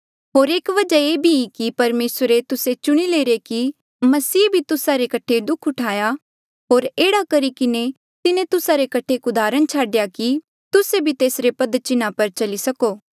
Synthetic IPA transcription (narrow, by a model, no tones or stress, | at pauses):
ɦoːɾeːkʋɐd͡ʒaeːbʱiikipɐɾmeːsɾet̪ʊset͡ʃʊɽ̃ileːɾeki | mɐsiːbʱit̪ʊsaɾekɐʈʰed̪ʊkʰʊʈʰaːja | ɦoːɾeːɽakɐɾikɪne | t̪ɪnẽt̪ʊsaɾekɐʈʰekʊd̪aːɾəɽ̃t͡ʃʰaːɖjaki | t̪ʊsebʱit̪eːsɾepɐd̪t͡ʃɪnapɐɾt͡ʃɐlisɐkoː